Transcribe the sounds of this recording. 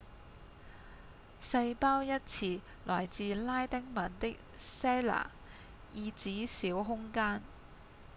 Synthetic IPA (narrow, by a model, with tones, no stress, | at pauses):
sɐ˧jpaː˥wjɐ˥t̚t͡sʰiː˨˩ | lɔː˨˩jt͡siː˨laː˥jt̪ɛ˥ŋmɐ˨˩nt̪ɪ˥k̚sɛː˥la̰ː˨˩ | jiː˧t͡siː˨˥siː˨˥wɦʊ˥ŋkaː˥n